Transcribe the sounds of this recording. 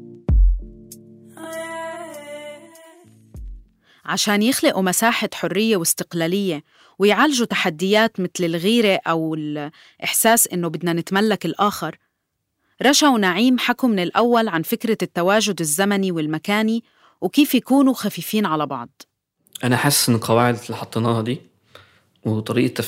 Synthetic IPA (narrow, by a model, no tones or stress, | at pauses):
ʕaʃaːnjɪxlɪʔumasaːħaħʊrːɪjːewɪst̪ɪ̥qlaːlɪjːe | wɪjʕaːlʒut̪ḁħad̪ːɪjːaːt̪mɪt̪lɪlɣiːɾeʔawɪl | ʔɪħsaːsʔɪnːobɪd̪nanɪt̪malːakɪlʔaːxɪɾˤ | ɾˤɑʃawnaʕiːmħakumɪnɪlʔawːalʕanfɪkɾat̪ːawaːʒʊd̪ɪzːamaniwɪlmakaːni | wkiːfjakuːnuxafiːfiːnʕalabɑʕd̪ˤ | ʔanaħasːʔnɪlqɑwaːʕɪd̪ɪlːiħɑt̪ˤːenɑːhd̪iː | wɪt̪ˤɑɾiːʔat̪ːa